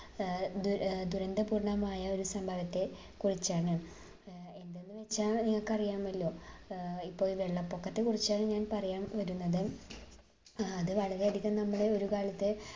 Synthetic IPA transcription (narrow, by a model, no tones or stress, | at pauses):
d̪ud̪uɾɐnd̪ɐpuːrɳɐmaːjɐo̞ɾusɐmbʱɐʋɐt̪ːe̞ | kurit͡ɕːaːɳɨ | e̞nd̪e̞nːɨʋe̞t͡ɕːaːɭniŋːɐɭkɐrijaːmɐlːo̞ː | ipːo̞ːiʋe̞ɭːɐpːokːɐt̪ːe̞kurit͡ɕːaːɳɨɲaːnpɐrɐjaːmʋɐɾunːɐðɨ | ɐðɨʋɐɭɐɾeɐd̪ikʲːɐmnɐmːɐɽe̞o̞ɾukaːɭɐt̪ːe